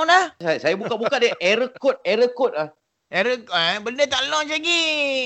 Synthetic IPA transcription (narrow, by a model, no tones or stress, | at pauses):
ŋlahsasajabukaʔbukaʔ̚dəʔeɾəkɔt̪̚eɾəkɔt̪̚lah | ʔeɾəkəbəndət̪aʔlɔŋt͡ʃaɡi